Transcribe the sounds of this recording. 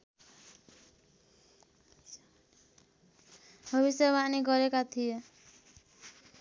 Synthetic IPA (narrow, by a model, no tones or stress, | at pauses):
bʱʌβisjeβaniɡɔɾekat̪ʰije